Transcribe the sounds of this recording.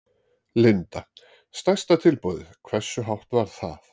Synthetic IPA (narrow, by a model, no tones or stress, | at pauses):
lɪnt̪a | st̪ajst̪at̪ʰɪlpʊððkʰvɛr̥sʏɦawht̪vaɾ̥θa̰ð